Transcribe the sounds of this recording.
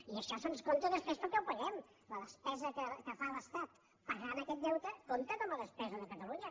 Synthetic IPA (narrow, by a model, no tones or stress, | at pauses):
iəʃɔsənskont̪əðəspɾespəlˠkɛwpəɣɛm | ləðəspɛzəkəkəfaləst̪at̪ | pəɣanəkɛt̪̚d̪ɛwt̪əkont̪əkɔməðəspɛzəðəkət̪əluɲə